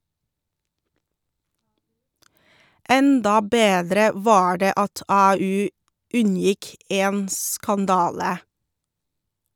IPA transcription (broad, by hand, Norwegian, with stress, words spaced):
ˈɛndɑ ˈbeːdɾə ˈʋɑː ˈɖeː ˈɑt ˈɑːˌʉː ˈʉnˌjɪk ˈeːn skɑnˈdɑːlə